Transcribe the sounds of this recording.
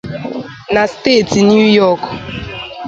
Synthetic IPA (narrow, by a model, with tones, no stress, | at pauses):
na˨ste˦˨tnju˦jɔ˦˨k